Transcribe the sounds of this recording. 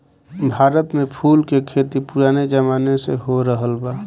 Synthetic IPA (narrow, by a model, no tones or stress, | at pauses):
bʱaːɾət̪mẽpʰuːlkekʰeːt̪ipʊɾaːned͡ʒəmaːneseɦoɾəɦəlbaː